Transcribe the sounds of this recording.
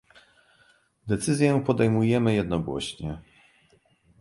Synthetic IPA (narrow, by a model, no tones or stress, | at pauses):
d̪ɛt̪sɘzʲjɛpɔd̪ɛjmujɛmɘjɛd̪nɔɡwɔ̰ɕɲɛ